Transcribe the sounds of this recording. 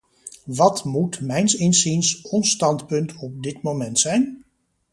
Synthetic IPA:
ʋɑtmutmɛjnsɪnzinsɔnstɑntpɵntɔp̚dɪtmowmɛntsɛjn

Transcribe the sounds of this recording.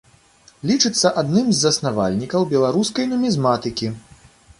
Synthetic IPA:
lʲit͡ʂɨt̪sːɐʔad̪nɨmzːɐsnava̰lʲnʲikɐwbʲɛlˠaɾuskɐjnɐmʲizmat̪ɨkʲi

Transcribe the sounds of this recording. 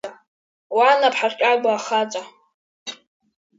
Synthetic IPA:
a | wanapʰħarkʲʼaɡʷaːχat͡ʃʼa

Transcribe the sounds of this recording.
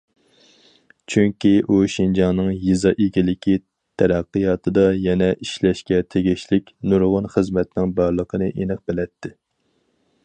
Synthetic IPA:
t͡ʃʰyŋkʲiʔuʃind͡ʒɑŋnɨŋjizɑʔekʲilɪkʲʰi | t̪ʰɛɾæqːɨjɑt̪ʰɨd̪ɑjɛnɛʔiʃlɛʃkʲɛt̪ʰeɡʲiʃlɪkʲnuɾʁʊnχəzmɛt̪nɪŋbɑɾlˠəqʰənɨʔenɨq̚bɪlɛt̪ʰːɪ

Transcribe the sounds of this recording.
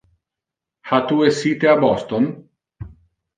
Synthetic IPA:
hat̪uesːiːt̪eabɔst̪on

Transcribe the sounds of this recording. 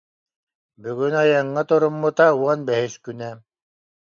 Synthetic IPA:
byɡynajaŋːat̪uɾumːut̪auɔnbɛɦiskynɛ

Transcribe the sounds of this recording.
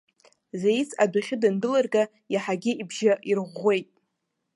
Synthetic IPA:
zejt͡sʰadʷaχʲɪdandɨlarɡa | jaħaɡʲɪibʒaʔirʁʷe̞jtʼ

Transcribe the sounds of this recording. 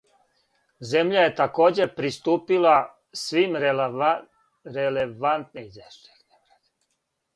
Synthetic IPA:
zemʎaje̞t̪ako̞ːd͡ʑepɾist̪uːpila | sʋimɾ | ɾeleʋant̪nizeʃt̪exnemɾad̪

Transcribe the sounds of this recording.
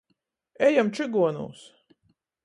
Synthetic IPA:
ɛjamt͡ʃɨɡuɔnṵːs

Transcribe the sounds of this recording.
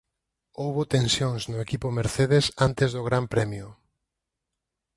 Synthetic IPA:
owβot̪ẽnsjoŋsnʊekipʊmeɾθeð̞esant̪ezðʊɣɾampɾɛmjʊ

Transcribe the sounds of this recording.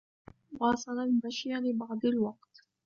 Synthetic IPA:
wɑːsˤɑlalmaʃjanɪbɑʕd̪ˤalwɑq̚t̪

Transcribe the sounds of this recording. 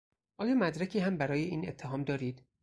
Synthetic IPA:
ʔɒːjɒːmæd̪ɾæcʰiːɦæmbæɾɒːjeʔiːnet̪ʰːeɦɒːmd̪ɒːɾiːd̪̥

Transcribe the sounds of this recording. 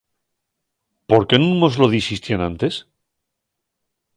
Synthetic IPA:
po̞ɾkenũmo̞zlo̞ðisist̪janãnt̪e̞s

